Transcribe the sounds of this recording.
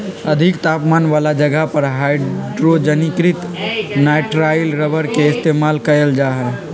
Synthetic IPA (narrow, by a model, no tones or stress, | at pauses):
ɐd̪ʱɪkt̪aːpmaːnʋaːlad͡ʒɐɡəɦpɐɾɦaːɪɖɾod͡ʒənɪkɾɪt̪ | naːɪʈɾaːjlɾəʋəɾkeɪst̪eːmaːlkɐjəld͡ʒaːɦɛː